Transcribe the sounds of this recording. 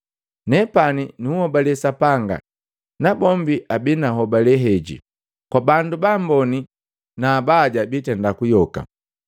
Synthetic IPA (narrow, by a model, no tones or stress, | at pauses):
nɛpaninuuhɔbalɛsapaŋɡa̰ | nabɔmbiʔabinaɦɔbalɛɦɛɟḭ | kwabandubambɔni | naːbaːɟabitɛndakujɔka̰